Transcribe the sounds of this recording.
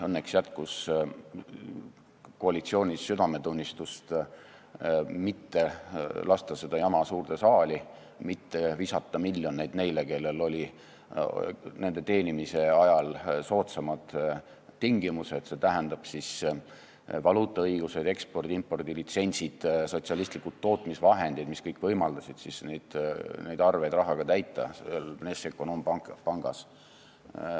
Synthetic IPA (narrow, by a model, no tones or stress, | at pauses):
ɤnːeksjæt̪kus | ko̞ɑlit̪sio̞ːnʲisːyd̪ɑme̞t̪unʲːist̪ust̪ | mit̪ːe̞lɑst̪ɑse̞d̪̥ɑjɑmɑsuːrt̪esɑːlʲi | mit̪ːe̞visɑt̪ˑːɑmilʲːjo̞ne̞jd̪̥ne̞jleke̞lːe̞lo̞lʲi | ne̞nd̪e̞t̪e̞ːnimise̞ɑjɑlso̞ːt̪sɑmɑd̪̥ | t̪iŋɡ̥imuse̞t̪se̞t̪æɦænd̪ɑb̥sis | vɑluːt̪ːˑɑɤjɡ̥use̞d̪e̞kspo̞rd̪impːo̞rd̪̥ilit̪se̞nʲsid̪̥so̞t̪siɑlist̪likːult̪ːo̞ːt̪ˑmisvɑɦe̞nd̪id̪miskɤjkːˑvɤjmɑld̪̥ɑsid̪̥sisnejd̪̥nejd̪̥ɑrve̞jd̪rɑɦɑɡ̥ɑt̪æjt̪ːˑɑ̰selnesekːonomɑpɑŋɡ̥ɑs